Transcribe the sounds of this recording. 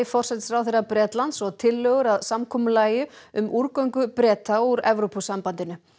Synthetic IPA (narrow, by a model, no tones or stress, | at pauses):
ɪfɔr̥sɛt̪sfɾawθejɾrapɾɛːt̪lant̪sɔɣt̪ʰɪlːœːɣʏɾaðsamkʰɔːmʏlaːjʏ | ʏmʔuɾkœɥŋkʏpɾɛːt̪auɾɛvɾopusampant̪ɪnʏ